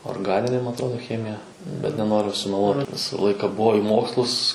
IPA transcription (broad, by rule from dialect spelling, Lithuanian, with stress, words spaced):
oːrɡˈɑːnʲɪnʲeː mɐ ɐtˈroːdoː ˈxʲæːmʲɪjɛ bʲɛt nʲɛˈnoːrʲʊ sʊmʲɛˈlˠuɔt ˈʋʲɪsɐ ˈlˠɐɪkɐ ˈbuɔ ɪ ˈmoːkslˠʊs